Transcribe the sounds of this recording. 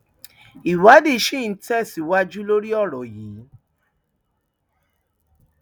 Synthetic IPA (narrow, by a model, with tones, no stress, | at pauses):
i˨wa˨˦di˦˨˦ʃĩ˦˨n̩˦tɛ˦˨si˨˦wa˦d͡ʒu˦lo˦ɾi˦ɔ˦˨ɾɔ˨jiː˨˦